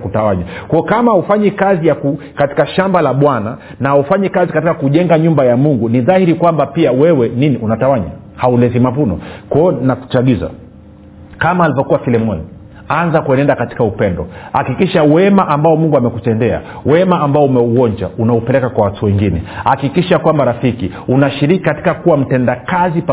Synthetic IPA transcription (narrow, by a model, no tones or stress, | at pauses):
kutawaɲakwɔɔkamaufaɲɛkazijaku | kati̥kaʃambalaɓwana | naufaɲɛkazikatikakuʄɛŋɡaɲumbajamuŋɡuniðahiɾikwambapiawɛwɛniniʔunatawaɲa̰ | haulɛzimavunɔ̰kwɔɔnaku̥t͡ʃaɠiza̰ | kamaːlivɔkuwafilɛmɔni | anzakuɛnɛndakati̥kaupɛndɔhakikiʃawɛmaʔambaɔmuŋɡuamɛkutɛndɛa̰ | wɛmaːmbaɔumɛuwɔɲd͡ʒa̰unaupɛlɛkakwawatuwɛŋɡinɛhakikiʃakwambaɾafiki | unaʃiɾikikati̥kakuwam̩tɛndakazip